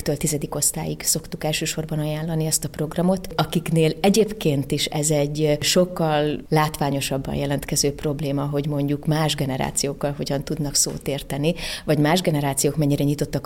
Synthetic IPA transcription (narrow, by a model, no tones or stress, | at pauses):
t̪øːlt̪izɛd̪iko̞st̪a̰ːjikso̞kt̪ukɛlʃøːʃo̞rbɒnɒjaːnlːɒniɛst̪ɒpro̞ɡrɒmo̞t̪ɒkikneːlɛɟeːpkeːnt̪iʃɛzɛɟːʃo̞kːɒlːaːt̪ʋaːɲo̞ʃɒbːɒ̰jjɛlɛnt̪kɛzøːpro̞bleːmɒɦo̞ɟmo̞ɲɟukmaːʒɡɛnɛɾa̰ːt̪sijoːkːɒlɦo̞ɟɒnt̪ud̪nɒkso̰ːt̪eːrt̪ɛnivɒɟmaːʒɡɛnɛɾaːt̪sijoːkmɛɲːiɾɛɲit̪o̞t̪ːɒk